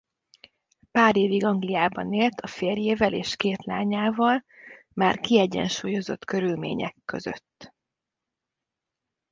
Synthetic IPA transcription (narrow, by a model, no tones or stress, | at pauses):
paːɾeːviɡɒŋɡlijaːbɒneːlt̪ʰɒfeːrjeːvɛleːʃkeːt̪la̰ːɲaːvɒl | maːrkiɛɟɛ̰nʃuːjo̞zo̞̰t̪kø̞ɾylmḛːɲɛ̰kːø̞zø̰t̪ː